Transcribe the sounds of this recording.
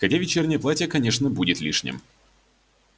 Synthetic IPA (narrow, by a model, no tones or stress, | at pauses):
xɐtʲavʲɪt͡ɕernʲɪjəplˠatʲɪjəkɐnʲeʂnəbudʲɪt̪lʲiʂnʲɪ̰m